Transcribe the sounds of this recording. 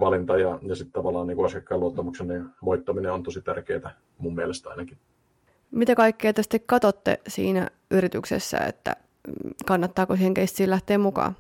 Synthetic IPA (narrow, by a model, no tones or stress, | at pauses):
ʋɑlint̪ɑjɑjɑsit̪t̪ɑʋɑlːˑɑːniːŋkuɑsijɑkːɑiluot̪ːɑmukseniʋoit̪ːɑmineont̪osit̪ærkeːt̪æ | mumːmielest̪ɑ̰inɑkin | mit̪ækɑikːeɑt̪est̪ikkɑt̪ot̪ːḛsḭːnæ̰ | ʔyɾit̪yksḛsːæ̰ḛt̪ːæ̰ | kɑnːɑt̪ːɑːkosiːheŋkest̪siːlæht̪eːmmukɑ̰ː